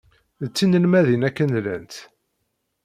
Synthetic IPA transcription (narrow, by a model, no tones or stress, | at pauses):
ət͡sːinəlmæðinækːənlæ̰nt̪